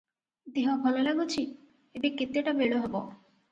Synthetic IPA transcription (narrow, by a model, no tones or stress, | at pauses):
d̪eɦabʱɔlolaɡot͡ɕʰi | ebekːit̪ːeʈabeɭoɦɔbo